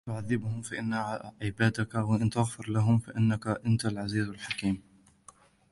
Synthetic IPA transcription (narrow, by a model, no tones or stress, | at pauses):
t̪ʊʕaðːɪbhʊmfaʔɪnːaʕɪbaːd̪akawaʔɪnt̪aɣfɪɾlaɦʊmfaʔɪnːakaʔɪnt̪alʕaziːzalħakiːm